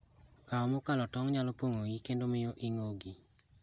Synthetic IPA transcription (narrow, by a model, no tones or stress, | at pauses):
kaɔmokalɔtɔŋɲalɔpoŋoɡikendomɪjoʔɪŋoɡi